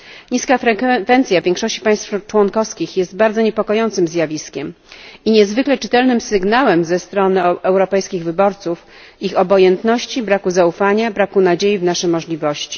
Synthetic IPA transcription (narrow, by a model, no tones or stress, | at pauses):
ɲiskafɾɛkvɛnt̪sʲjavʲjɛ̃ŋkʂɔɕt͡ɕi̥paj̃st̪ft͡ʂwɔnkɔfskʲixjɛst̪̚baɾd̪zɔɲɛpɔkɔjɔnt̪sɘmzʲjavʲiskʲɛm | iɲɛzvɘklɛt͡ʂɘt̪ɛlnɘmsɘɡnawɛmzɛst̪ɾɔnɘɛwɾɔpɛjskʲiɣvɘbɔɾt̪suf | ixɔbɔjɛnt̪nɔɕt͡ɕibɾakuzaufaɲabɾakunad͡ʑejivnaʂɛmɔʐlʲivɔɕt͡ɕi̥